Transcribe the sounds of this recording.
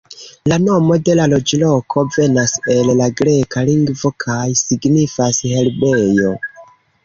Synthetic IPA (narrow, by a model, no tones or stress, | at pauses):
lano̞mo̞de̞lalo̞d͡ʒlo̞kʰo̞ve̞nase̞llaɡɾe̞kaliŋɡvo̞kʰajsiɡnifashe̞lbe̞jo